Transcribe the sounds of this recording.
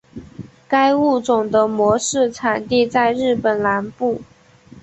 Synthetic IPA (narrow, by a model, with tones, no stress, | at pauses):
ka˥ɪu˥˩t͡sʊ˨˩ŋd̪ə˦mwɔ˧˥ʂɻ̩˥˩t͡sʰa˨˩nt̪i˥˧t͡sa˥˧ɪɻɻ̩˥˩pə˨˩nla˧˥npu˥˩